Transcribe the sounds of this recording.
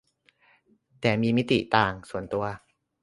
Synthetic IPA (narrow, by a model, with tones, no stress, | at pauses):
t̪ɛː˨˩miː˧mi˦˥t̪ḭ˨˩˨t̪aː˧˩ŋsu˨˩ənt̪u˧ɐ